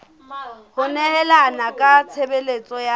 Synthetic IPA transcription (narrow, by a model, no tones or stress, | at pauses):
hʊnɛɦɛlanakʼat͡sʰebelet͡sʼɔja